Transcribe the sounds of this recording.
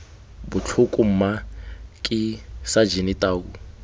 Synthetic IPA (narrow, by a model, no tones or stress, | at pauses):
bʊt͡ɬʰʊkʼum̩makʼɪsad͡ʒinitʼaːku